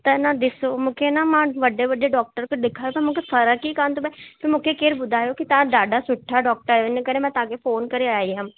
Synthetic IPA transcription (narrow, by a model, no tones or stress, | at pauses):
t̪ɛnãd̪ɪsoːmũːkʰenamãːʋəɖeːʋəɖeːɖɔːk̚ʈəɾkd̪ɪkʰaːjoːpəmũːkʰesʰəɾakiːkaːnt̪ʊbẽpʰɪɾmʊ̃ːkʰekeːɾbʊd̪ʱaːjoːkit̪ãːɖaːɖaːsʊʈʰːaːɖɔːk̚ʈəɾɛɪnekəɾẽmɛ̃ːt̪ãːkefoːnkəɾeaːeɦãm